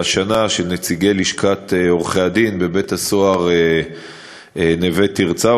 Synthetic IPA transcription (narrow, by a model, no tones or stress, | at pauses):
ʃanaʃenet͡siɡe̞liʃkʰat̪eoʁχead̪inbe̞be̞thasoaʁe | enevet̪iʁt͡sa